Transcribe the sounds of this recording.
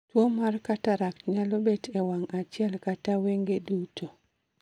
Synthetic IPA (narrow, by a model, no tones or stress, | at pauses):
twomarkataɾakɲalobetɛwaŋat͡ʃjɛlkataweŋɡedutʰo